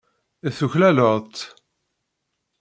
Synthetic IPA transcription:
əθuçlæləɾt̪

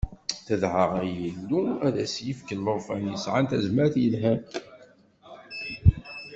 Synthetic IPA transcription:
θəðʕəʁjəlːuæðæsjəfkəlləʁˤfænjəsʕant̪æzməɾθjəlɦæ

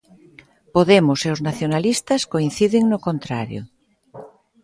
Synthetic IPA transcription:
poðemʊseoznaθjonalist̪ɐskoin̟θiðɪŋnokont̪ɾaɾjo̰

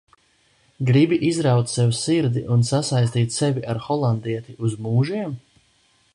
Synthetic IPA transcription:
ɡɾibiʔizɾawt̪sɛvsiɾd̪iʔunsasajs̬t̪iːt̪ʲsɛvʲiʔaɾxɔlˠand̪iɛt̪iʔuzmuːʒiɛm

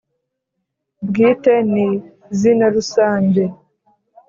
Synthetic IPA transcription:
bɡiːteni | zinaɾusaːɲɟe

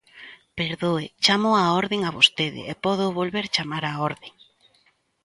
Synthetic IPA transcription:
peɾðoet͡ʃamʊaɔɾðeŋaβost̪eðɪ̰ʔepɔð̞oβolβeɾt͡ʃamaɾaɔɾðeŋ

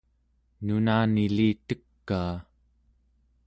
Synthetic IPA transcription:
nunaːniliːt̪əkːaː

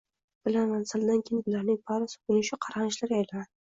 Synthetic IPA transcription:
b̥ɪlamansɪld̪ankʲʰejɪnbɪlaɾnɪŋpʰɒɾasɪ̥ʊnɪʃʰaqʰɑɾanɪʃlaɾajlad̪ɪ

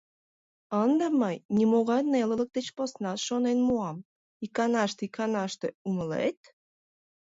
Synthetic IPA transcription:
ənd̪əməjnʲimoɣɑnelələk̚d̪et͡ɕposnɑt̪ʃonenmuɑm | ikɑnɑʃt̪ikʰɑnɑʃt̪euŋəlḛt̪

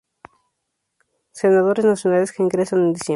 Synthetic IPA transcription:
senaðoɾeznasjonaleskeːŋɡɾesanend̪isje

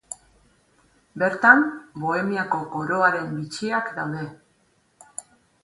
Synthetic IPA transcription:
be̞ɾt̪ambo̞e̞miako̞ko̞ɾo̞aɾe̞mbit͡ʃiakd̪awðe̞

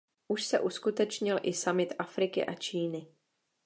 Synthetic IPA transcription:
ʔuʃsɛʔuskut̪ɛt͡ʃɲɪlʔɪsamɪt̪ʔafɾɪkɪ̰ʔat͡ʃiːnɪ

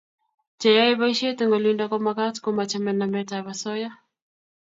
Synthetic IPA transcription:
t͡ʃajaiβaiʃiɛteŋɡɔlindakɔmakatkɔmat͡ʃamɛnamɛtaβasɔja

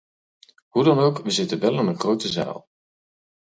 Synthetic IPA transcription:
ɦudɑnowkʋəzɪtənʋɛlˠɪnənχrowtəza̰ːlˠ

